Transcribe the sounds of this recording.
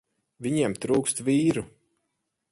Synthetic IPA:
vʲiɲiɛmt̪ɾuːkst̪viːɾu

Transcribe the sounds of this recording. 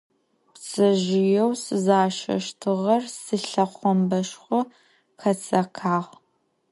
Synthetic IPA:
pt͡sʼɐʒɪjɛwsɨzaːʃɐ̰ʃtʰɨʁɐrsɨɬɐχʷɔmbɐʃχʷɔ | xɐt͡sʼɐkʰaːʁ

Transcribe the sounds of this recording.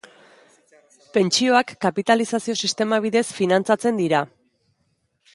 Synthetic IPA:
pe̞nt͡ʃio̞akːapit̪alisasio̞sist̪e̞maβ̞iðe̞sfinant͡sat͡se̞nd̪iɾa

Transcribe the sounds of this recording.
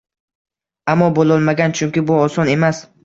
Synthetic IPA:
amːɒbolˠɒlˠmaɡʲant͡ʃʰʊŋkʲɪbʊɒsɒne̞mas

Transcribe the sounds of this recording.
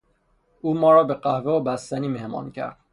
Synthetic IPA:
ʔuːmɒːɾɒːbeɢæhveobæst̪æniːmehmɒ̰ːncʰæ̰ɾd̪̥

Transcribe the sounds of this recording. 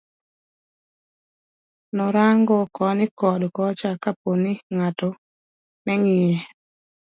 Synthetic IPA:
nɔɾaŋɡɔkɔnɪkɔdkɔt͡ʃakaponɪŋatɔ | nɛŋɪjɛ

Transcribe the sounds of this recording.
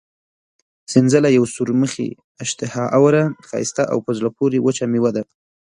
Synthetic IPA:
sɪnzəlajawsuɾməxḛ | ɪʃt̪ɪhɑʔawɾanxɑ̰jɪst̪aʔa̰wpəzlapoɾewət͡ʃamewad̪a

